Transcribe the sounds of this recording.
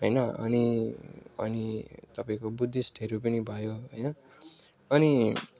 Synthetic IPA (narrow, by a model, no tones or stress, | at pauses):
ɦʌjnʌʌ̰ni | ʌ̰nit̪ʌpaĩkobud̪ʱːisʈʰeɾupʌnibʱʌjoɦʌjnʌ | ʌni